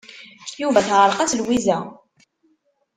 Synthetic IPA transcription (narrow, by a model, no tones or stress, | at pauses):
juvæθʁəɾˤqæt͡sːlwizæ